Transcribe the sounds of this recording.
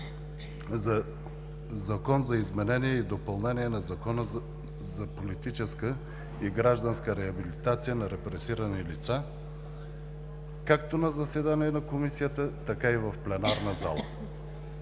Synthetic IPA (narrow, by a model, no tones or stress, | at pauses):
zɐkɔnzɐizmɛnɛniɛid̪opɐlˠnɛniɛnɐzɐkɔnə | zɐpolit̪it͡ʃɛskə | iɡɾaʒd̪ɐnskəɾɛɐbilit̪at̪sijənɐɾɛpɾɛsiɾənilit̪sa | kak̚t̪onɐzɐsɛd̪aniɛnɐkomisijət̪ət̪ɐkaivɐfplɛnaɾnɐza̰lˠə̰